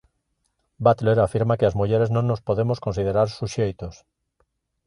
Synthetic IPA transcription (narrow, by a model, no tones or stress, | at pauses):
bat̪leɾafiɾmakeazmuʎeɾeznõŋːospoðemoskonsið̞eɾaɾsuʃejt̪os